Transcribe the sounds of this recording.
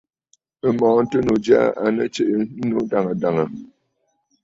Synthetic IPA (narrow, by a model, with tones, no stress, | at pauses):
ə˨mɔ˨˦n̩˦tə˦no˨d͡ʒja̰˦a˨nə˦t͡ʃe˨ʔə˦n̩˦no˦da˨ŋə˨da˨ŋə˨